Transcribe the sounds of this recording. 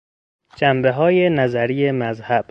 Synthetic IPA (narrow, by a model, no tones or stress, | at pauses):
d͡ʒæmbe̞ɦɒːjenæzæɾiːjemæzhæb̥